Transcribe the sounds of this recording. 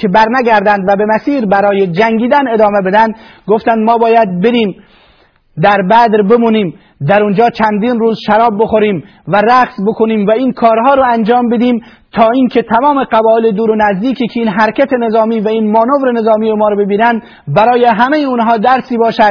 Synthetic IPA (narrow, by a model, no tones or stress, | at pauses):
kʰebæɾnæɡæɾd̪ænd̪væbemæsiːɾbæɾɒːjed͡ʒæŋɡiːd̪æne̞d̪ɒːmebed̪ænd̪ɡoft̪ænd̪mɒːbɒːjæd̪̚beɾiːm | d̪æɾbæd̪ɾbemuːniːm | d̪æɾund͡ʒɒːt͡ʃʰænd̪iːnruːzʃæɾɒːbːoxoɾiːm | væɾæqsbokʰoniːmvæiːnkʰɒːɾɦɒːɾɔːænd͡ʒɒːmbed̪iːm | t̪ʰɒːiːnkʰet̪ʰæmɒːme̞qæbɒːeled̪uːɾonæzd̪iːkʰiːkʲʰeiːnɦæɾkʰʲæt̪ʰenezɒːmiːvæiːnmɒːnovɾene̞zɒːmiːjemɒːɾbebiːnænd̪ | bæɾɒːjeɦæmejeunɦɒːd̪æɾsiːbɒːʃæd̪̥̚